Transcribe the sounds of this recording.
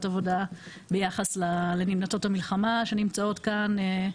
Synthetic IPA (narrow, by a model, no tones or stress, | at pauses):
tavo̞da | bejaχaslalenimnato̞thamilχamaʃe̞nimt͡sao̞tkane